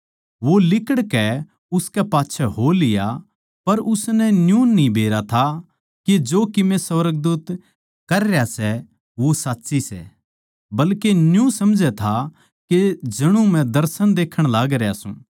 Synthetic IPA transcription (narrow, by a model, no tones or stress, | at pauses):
ʋolɪkəɽkɛ | ʊskɛpaːtːʃʰɛɦoːlɪja | pɐɾʊsnɛnjũnĩbʱeːɾat̪ʰa | ked͡ʒoːkɪmẽsɐʋɾəɡ̚d̪uːt̪ | kɐɾjasɛ | ʋosaːtːsisɛ̰ | bɐlkenjũsɐmd͡ʒʱɛt̪ʰa | ked͡ʒɐɽ̃ũmɛ̃d̪ɐɾsənd̪eːkʰːəɽ̃laːɡɾejaːsṵ̃ː